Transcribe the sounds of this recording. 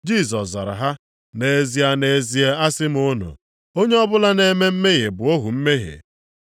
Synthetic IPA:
d͡ʒi˦˨s̬ɔ˨szɔ̰˨ɾa̰˨ɦa˦ | ne˨e˨zi˨˦a˦ne˨e˦zi˦e˦a˦sɪ˦m˦o˦nṵ˨ | o˦ɲe˦ɔ˦bʊ˦la˦ne˦me˦m̩˦me˦ɣe˨bʊ˨o˦ɦu˨m̩˦me˦ɦḛ˨

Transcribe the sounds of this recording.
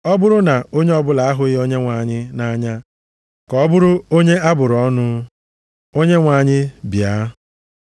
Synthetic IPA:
ɔ˦bʊ˦ɾʊ˦na˨o˦ɲe˦ɔ˦bʊ˦la˨a˦ɦʊ˦ɪ˦o˦ɲe˦ŋʷa˨ɲɪ˦na˦ɲa˦ | kɔ˦bʊ˦ɾʊ˦o˦ɲe˦a˦bʊ˨ɾʊ˨ɔ˦nʊ˦ | o˦ɲe˦ŋʷa˨ɲɪ˦bja˨˦

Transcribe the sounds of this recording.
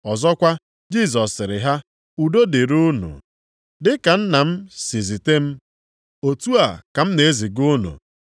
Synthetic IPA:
ɔ˨zɔ˦kʷa˦ | d͡ʒi˦s̬ɔ˨sːɪ˨ɾɪ˨ɦa˦ | u˨do˦de˨ɾu˦nṵ˨ | dɪ˦ka˨n̩˦na˨m̩˦si˨zi˨te˦m̩˦ | o˨tu˦a˨ka˨m̩˦ne˨e˦zi˨ɡʊ˦nṵ˨

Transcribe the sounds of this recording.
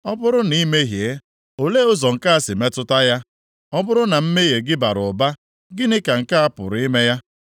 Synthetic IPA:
ɔ˦bʊ˦ɾʊ˦ni˦me˦ɦje˨˦ | o˨le˦ʊ˦zɔ˨ŋ̩˨ka˦a˦sɪ˨me˦tʊ˦ta˦ja˦ | ɔ˦bʊ˦ɾʊ˦na˨m̩˦me˦je˨ɡɪ˦ba˨ɾʊ˨ba˦ | ɡɪ˦nɪ˦ka˨ŋ̩˨ka˦a˦pʊ̰˨ɾɪ˦me˦ja˦

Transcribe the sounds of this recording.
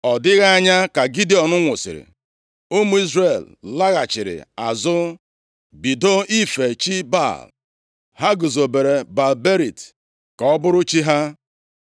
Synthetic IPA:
ɔ˨dɪ˦ɣa˦ɲa˦ka˨ɡi˦di˦ɔ˨nʊ˦ŋʷʊ˨sɪ̰˨ɾɪ̰˨ | ʊ˦mu˦i˦zre˨l | la˦ɣa˨t͡ʃɪ˨ɾɪ̰˨a˨zʊ˦ | bi˨do˦i˦fe˨t͡ʃi˦ba̰˦˨l | ha˦ɡʊ˨zo˨be˨ɾe˨ba˨lbe˦ɾi˨t | ka˨ɔ˦bʊ˦ɾʊ˦t͡ʃi˦ɦa˦

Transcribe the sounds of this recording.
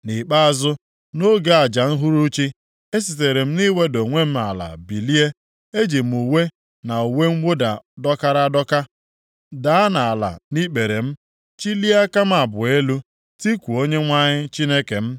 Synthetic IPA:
ni˨k͡pa˦a˦zʊ˦ | no˦ɡe˨a˨d͡ʒa˨n̩˦ɦu˦ɾu˦t͡ʃi˦ | e˦s̬i˨t̬e˨ɾe˨m̩˦ni˦we˦do˨ŋʷe˦m̩˦a̰˨la̰˨bi˨li˦e˦ | e˦d͡ʒi˨m̩˨u˨we˦ | na˨u˨we˦ŋ̩˦wo˦da˨dɔ˦ka˦ɾa˦dɔ˦ka˦ | da˨a˦na˨a˨la̰˨ni˦k͡pe˨ɾe˨m̩˦ | t͡ʃi˦li˦a˦ka˦m̩˦a˨bʊ˨e˦lu˦ | ti˦kʷu˨o˦ɲe˦ŋʷa˦ɲɪ˦t͡ʃi˦ne˦ke˨m̩˦

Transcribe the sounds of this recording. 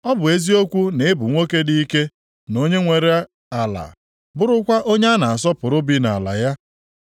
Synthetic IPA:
ɔ˦bʊ˨e˦zi˦o˦kʷu˦ne˨ɪ˦bʊ˨ŋʷo˦ke˦di˦i˦ke˦ | no˦ɲe˦ŋʷe˨ɾe˦a˦ | a˨la̰˨ | bʊ˦ɾʊ˦kʷa˦ʔo˦ɲe˦a˦na˨a˨s̬ɔ˦pʊ˨ɾʊ˦bi˦na̰˨la̰˨ja˦

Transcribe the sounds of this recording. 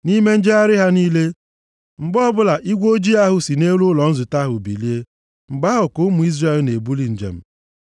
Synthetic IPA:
ni˦me˦n̩˦d͡ʒe˦a˦ɾɪ˦ɦa˦niː˦le˦ | ŋ͡m̩˨ɡ͡bɔ˦bʊ˦la˨ʔi˦ɡʷo˦d͡ʒi˦a˦ɦʊ˨si˨ne˦lʊ˦lɔ˨n̩˦zʊ˨ta˦ɦʊ˨bḭ˨li˦e˦ | ŋ͡m̩˨ɡ͡ba˦ʊ˨kʊ˦mʊ˨i˦zra˦˨e˨lne˨bu˦li˦˨n̩˨d͡ʒḛ˨m̩˦

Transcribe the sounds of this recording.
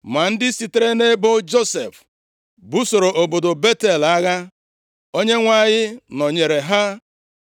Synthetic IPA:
ma˨n̩˦dɪ˦si˨te˦ɾe˦ne˦bo˦d͡ʒo˦sḛ˨f | bu˦so˨ɾo˨ʔo˨bo˨do˨be˦te˨la˦ɣa˦ | o˦ɲe˦ŋʷa˦˨ɲɪ˦nɔ˨ɲe˨ɾe˨ɦa˦

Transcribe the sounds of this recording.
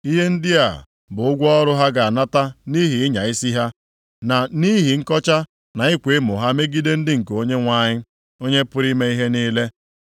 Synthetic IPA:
i˦ɦe˦n̩˦dɪ˦a˨ | bʊ˨ʊ˦ɡʷɔ˦ɔ˦ɾʊ˦ɦa˦ɡa˨a˨na˦ta˦ni˦ɦi˨ɪ˦ɲa˨i˦si˦ɦa˦ | na˨ni˦ɦi˨ŋ̩˦kɔ˦t͡ʃa˦ | na˨ɪ˦kʷe˨˦mʊ˨ɦa˦me˦ɡi˦de˦n̩˦dɪ˦ŋ̩˨ko˦ɲe˦ŋʷa˦˨ɲɪ˦ | o˦ɲe˦pʊ˦ɾi˦me˦i˦ɦe˦niː˦le˦

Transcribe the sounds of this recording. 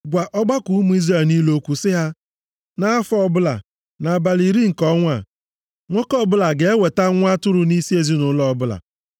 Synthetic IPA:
ɡʷa˨ʔɔ˦ɡ͡ba˦ku˨˦mu˦i˦zɾa˦˨ni˦lo˦kʷu˨sɪ˦ɦa˦ | na˦a˦fɔ˦bʊ˦la̰˨ | na˨ba˨li˨ɾi˦ŋ̩˨kɔ˦ŋʷa̰˨ | ŋʷɔ˦kɔ˦bʊ˦la˨ɡe˨e˦we˨ta˦ŋʷ˦a˦tʊ˦ɾʊ˨ni˦si˦e˨zi˦nʊ˨˦lɔ˦bʊ˦la̰˨

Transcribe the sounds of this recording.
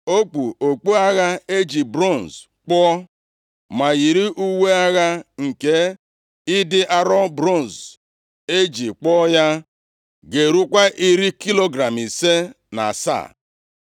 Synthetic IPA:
o˦k͡pu˨o˨k͡po˦a˦ɣa˦e˦d͡ʒi˨bɾo˦˨n˨z | k͡pɔ˦ | ma˨ɣi˨ɾi˦ʔu˦we˦a˦ɣa˦ŋ̩˨ke˦ | ɪ˦dɪ˦ʔa˦ɾɔ˦bɾo˦˨n˨z | e˦d͡ʒi˨k͡pɔ˦ja˦ | ɡe˨ɾu˦kʷa˦ʔi˦ɾi˦ki˦lo˦ɡɾa˨mi˨se˦ | na̰˨sa̰˦˨

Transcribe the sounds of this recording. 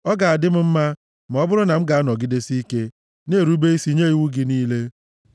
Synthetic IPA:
ɔ˦ɡa˨a˨dɪ˦m̩˦m̩˦ma˦ | m̩˨ɔ˦bʊ˦ɾʊ˦na˨m̩˦ɡa˨a˦nɔ˨ɡɪ˦de˦si˦ke˦ | ne˦˨ɾu˦be˦i˦si˦ɲe˦i˨wu˦ɡɪ˦niː˦le˦

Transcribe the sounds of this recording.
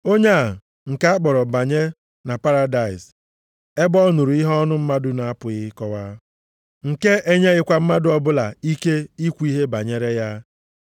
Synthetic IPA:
o˦ɲe˦a˨ | ŋ̩˨ka˦a˦k͡pɔ˨ɾɔ˨ba˨ɲe˦ | na˨pa˦ɾa˦da˨ɪ˨s | e˦bɔ˦nu˨ɾu˨˦i˦ɦɔ˦nʊ˦m̩˦ma˦dʊ˦na˨a˦pʊ˨ɣɪ˦kɔ˦wa˦ | ŋ̩˨ke˦ʔe˦ɲe˦ɣɪ˦kʷa˦m̩˦ma˦dʊ˦ɔ˦bʊ˦la̰˨i˦ke˦i˦kʷu˦i˦ɦe˦ba˨ɲe˦ɾe˦ja˦

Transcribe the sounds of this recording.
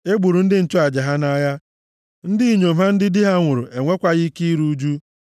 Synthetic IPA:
e˦ɡ͡bu˨ɾu˨n̩˦dɪ˦n̩˨tʊ˦a˨d͡ʒa˨ɦa˦na˦ja˦ | n̩˦dɪ˦i˨ɲo˨m̩˨ɦa˦n̩˦dɪ˦dɪ˦ɦa˦ŋʷʊ˨ɾʊ˨ʔe˨ŋʷe˦kʷa˦ɣi˦ki˦i˦ɾu˦d͡ʒu˦

